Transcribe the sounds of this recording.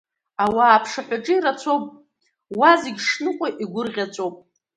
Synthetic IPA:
awaːpʰʂaħʷᶣaʈ͡ʂʼɨiɾat͡sʷʰowpʼ | wazeɡʲʂnɨqʷʼaʔiɡʷʊrʁʲat͡sʷʼowpʼ

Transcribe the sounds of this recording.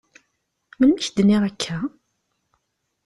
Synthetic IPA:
mənːəçd̪niʁækʰːæ

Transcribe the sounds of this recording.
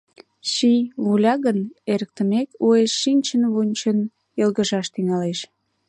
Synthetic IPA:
ɕiβulʲɑɣəneɾək̚t̪əmekueʃːinʲt͡ɕənβunʲt͡ɕən | jəlɣəʒɑʃt̪yŋɑleʃ

